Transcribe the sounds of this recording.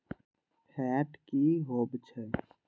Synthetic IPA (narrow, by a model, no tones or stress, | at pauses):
pʰɛːʈkiɦoːbt͡ʃʰɛ